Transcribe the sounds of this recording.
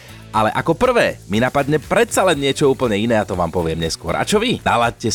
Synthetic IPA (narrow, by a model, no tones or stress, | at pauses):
ʔalɛʔakɔpr̩ʋɛːminapad̪ɲɛpɾɛt̪t͡salɛnːɪɛt͡ʃɔuːpl̩ɲɛinɛːat̪ɔʋa̰ːmpɔʋɪɛmɲɛskʊɔ̰ɾa̰t͡ʃɔʋid̪a̰ːʋacːɛ